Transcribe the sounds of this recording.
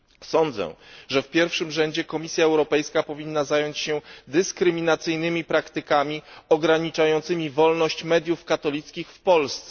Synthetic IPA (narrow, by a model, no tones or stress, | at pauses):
sɔnd̪zɛ̰ʐɛfpʲjɛɾfʂɘmʐɛɲd͡ʑɛkɔmʲisʲjaɛwɾɔpɛjskapɔvʲinːazajɔɲt͡ɕɕɛd̪ɘskɾɘmʲinat̪sɘjnɘmʲipɾakt̪ɘkamʲiɔɡɾaɲit͡ʂajɔnt̪sɘmʲivɔlnɔɕt͡ɕmɛd̪ʲjufkat̪ɔlʲit̪skʲixfpɔlst̪sɛ